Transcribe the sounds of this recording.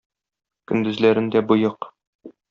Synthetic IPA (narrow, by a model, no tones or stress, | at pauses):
kɵ̆nd̪ɵ̆zlæɾɘ̆nd̪æbujɤq